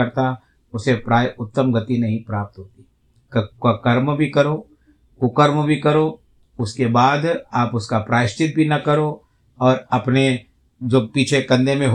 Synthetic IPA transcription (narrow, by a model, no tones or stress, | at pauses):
ɐɾt̪a | ʊsepɾaːjʊt̪ːəmɡɐt̪inɐɦĩpɾaːp̚t̪ɦoːt̪i̥ | kakɐɾmbʱikɐɾo | kʊkəɾmbʱikɐɾo | ʊskebaːd̪aːpʊskapɾaːɪʃt̪ɪt̪̚bʱinɐkɐɾo | ɔːɾɐpne | d͡ʒoːpiːt͡ʃʰekɐ̃nd̪ʱemẽɦ